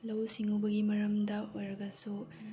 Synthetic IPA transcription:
lɐwsiŋubɐɡimɐɾɐmdɐojɾɐɡɐsu

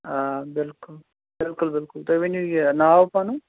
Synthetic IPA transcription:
abɪlkʊl | bɪlkulbɪlkʊlt̪oʋenjunaapanu

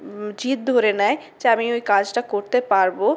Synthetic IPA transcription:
d͡ʑit̪̚d̪ʱoɾenaed͡ʑeamiojkad͡ʑʈakoɾt̪epaɾbo

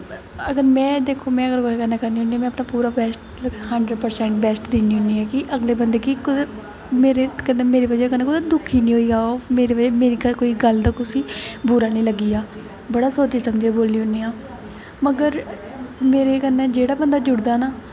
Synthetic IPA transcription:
əɡəɾmɛ̃ːd̪eːkʰːoːmɛ̃ːəɡəɾkoeːkəneːkəɾniːɦʊnd̪iːaːmɛ̃ːəpnaːpuːɾaːbɛːsʈ̚ | həɳɖɾəɖ̚pəɾsɛ̃ːɳʈbɛːsʈd̪eːniːɦʊniːɛːkɪʔəɡleːbənd̪eːkikʊ | meːɾeːkəneːmeːɾeːbəd͡ʒeːkənẽːkʊd̪ad̪ʊkʰːiːnĩːɦoːiːaːomeːɾeːʋəd͡ʒeːmeːɾiːɡəkoːiːɡəld̪aːkʊsiːbʊːɾaːnĩːləɡiːaː | bəɽaːsoːt͡ʃiːsəmd͡ʒeːboːlːiːɦʊniːaː | məɡəɾ | meːɾeːkəneːd͡ʒeːɽaːbənd̪aːd͡ʒʊɽd̪aːnaː

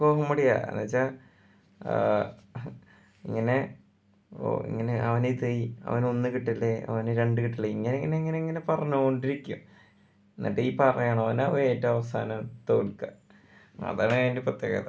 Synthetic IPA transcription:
koːɦɐmːɐɽija̰nːɐt͡ɕːa | ḭŋːɐne̞ | o̰ḭŋːɐneʔɐʋɐnet̪ejiɐ̰ʋɐnonːɨkiʈːilːeɐ̰ʋɐneɾeɳɖɨkiʈːilːeiŋːɐneŋːɐneiŋːɐneiŋːɐne̞pɐrɐɲːuɣoɳɖiɾikʲːum | nːɐ̰ʈːeipɐrɐjaːɳɐʋɐnɐʋeːtːeɐʋɐsa̰ːnɐmt̪oːɭka | ɐ̰ðaːɳːndeprɐt̪jeːɣɐ̰ða

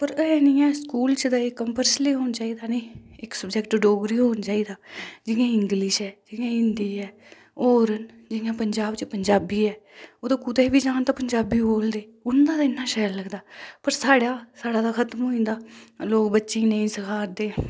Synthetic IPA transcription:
pəɾəɛːnĩːɛ̃ːskuːlt͡ʃəd̪aekːəmpəɾsliːɦoːnt͡ʃaːiːd̪aːnə̃iːɪksəbd͡ʒɛːkʈɖoːɡɾiːɦoːnt͡ʃaːiːd̪aːd͡ʒɪãːɪŋɡlɪʃɛːd͡ʒɪãːɪnd̪iːɛː | oːɾən | d͡ʒɪjãːpəɲd͡ʒaːbt͡ʃpəɲd͡ʒaːbiːɛːoːd̪oːkʊd̪eːbiːd͡ʒãːnt̪aːpəɲd͡ʒaːbiːboːld̪eːʊnd̪aːt̪aːɪnːãːʃɛːlləɡd̪aːpəɾsaːɽaːsaːɽaːd̪aːkʰət̪mɦoːĩːnd̪aːloːkbətːʃẽːnəĩːsəkʰaːɾd̪eː

